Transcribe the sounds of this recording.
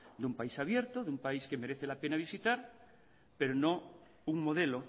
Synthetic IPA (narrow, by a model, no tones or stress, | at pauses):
d̪umpaisaβ̞je̞ɾt̪oðumpaiskeme̞ɾeθe̞lape̞naβ̞isit̪aɾ | pe̞ɾonõ̞ | uŋmo̞ð̞e̞lo